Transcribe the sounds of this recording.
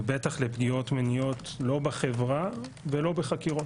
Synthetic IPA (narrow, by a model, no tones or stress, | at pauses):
betaχlepɡijo̞t̪menijo̞tlo̞baχevʁa | velo̞beχakiʁot